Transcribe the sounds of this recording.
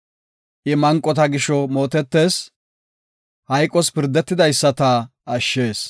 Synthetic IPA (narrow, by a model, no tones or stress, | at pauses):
ʔɪmɐŋkʼːɔt̪ɐɡɪʃɔmo̞ːt̪ɛt̪ːe̞ːs | hɐjkʼːɔspɪɾd̪ːɛt̪ːɪd̪ɐjsːɐt̪ɐɐʃːe̞ːs